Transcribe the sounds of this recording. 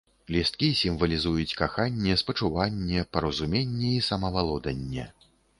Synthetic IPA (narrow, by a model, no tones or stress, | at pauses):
lʲist̪̚kʲisʲimvɐlʲizujut͡sʲkaxanʲːɛspɐt͡ʂuvanʲːɛpɐɾɐzumʲenʲːɛisɐmɐvalˠɔd̪ɐnʲːɛ̰